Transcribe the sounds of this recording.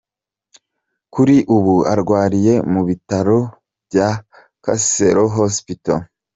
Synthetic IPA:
kuɾiʔuβua̰ɾɡwaːɾije̞muβitaɾo̞ | bja | kaseɾoɦospito̰

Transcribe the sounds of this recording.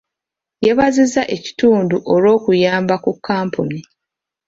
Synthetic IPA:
jeβazizaʔe̞ci̥tuːnduʔo̞lo̞ːkujaːmbakukʰːaːmpuni

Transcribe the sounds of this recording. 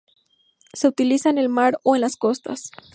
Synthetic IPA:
se̞ut̪ilisaene̞lmaɾo̞enlasko̞st̪a̰s

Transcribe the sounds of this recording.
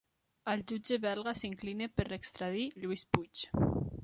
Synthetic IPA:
əld͡ʒud͡ʒeβɛlˠɣasiŋklineperekst̪ɾaðiʎuisput͡ʃ

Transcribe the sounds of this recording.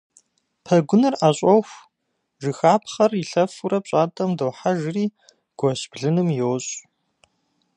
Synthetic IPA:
pʰɐɡʷʊnɨraːɕʼɔxʷ | ʒɨxaːpʰχɐrɪɬɐfuɾɐp̚ɕʼaːtʼɐmdɐwħaʒɪriː | ɡ̥ʷɔɕb̥ɮɨnɨmjowɕʼ

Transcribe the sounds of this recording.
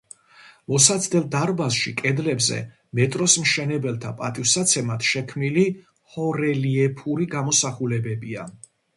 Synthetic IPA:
mɔsat̪sʰd̪ɛlˠd̪aɾbasʃikʼɛd̪lɛbzɛ̰ | mɛt̪ʼɾɔsmʃɛnɛbɛlˠt̪ʰapʼat̪ʼifsat̪sʰɛmat̪ʰʃɛkʰmnili | hɔɾɛliɛpʰuɾiɡamɔsaχulɛbɛbia̰

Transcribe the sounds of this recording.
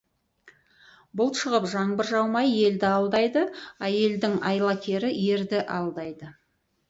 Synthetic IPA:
bʊlˠʃəʁəpʒɑŋbəɾʒɑwmɑje̞ld̪ɪɑlˠd̪ɑjd̪əæje̞ld̪ɪŋɑjlˠɑkʲʰe̞ɾɪje̞ɾd̪ɪʔɑlˠd̪ɑjd̪ə

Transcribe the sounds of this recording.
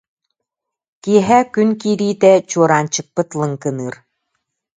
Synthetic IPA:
kiɦækynkiɾit̪æt͡ɕuɾɑnt͡ɕɤ̆k̚pɤ̆t̪lˠɤ̆ŋkɤ̆nɯr

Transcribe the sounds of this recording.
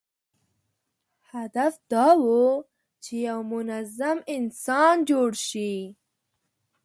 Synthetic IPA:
had̪afd̪̥ɑwu | t͡ʃejawmʊnazamɪnsɑnd͡ʒoɽʃi

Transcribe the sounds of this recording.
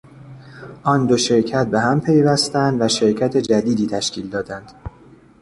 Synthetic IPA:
ʔɒːnd̪oʃe̞ɾcʰæt̪̚be̞ɦæmpʰe̞jvæst̪ænd̪væʃe̞ɾcʰæt̪ʰe̞d͡ʒæd̪iːd̪iːt̪ʰæʃcʰʲiːld̪ɒːd̪ænd̪̥

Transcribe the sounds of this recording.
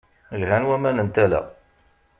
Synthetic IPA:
lɦænwæmænənt̪ælæ̰

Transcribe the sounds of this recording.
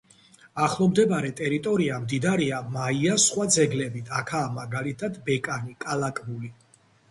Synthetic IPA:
aχlˠɔmd̪ɛbaɾɛt̪ʼɛɾit̪ʼɔɾiamd̪id̪aɾiamaiasχwad̪zɛɡlɛbit̪ʰakʰaːmaɡalit̪ʰad̪bɛkʼanikʼalakʼbuli

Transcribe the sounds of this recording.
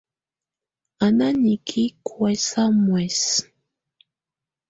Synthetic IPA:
ananikʰikʰwesamwes

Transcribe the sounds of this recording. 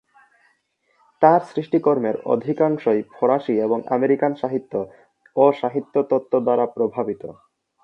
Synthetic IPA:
t̪aɾsɾiʃʈikoɾmeɾo̰d̪ʱikaŋʃojpʰoɾaʃieboŋʔa̰meɾikanʃaɦit̪ːo | oʃaɦit̪ːot̪ot̪ːod̪aɾapɾobʱabit̪o̰

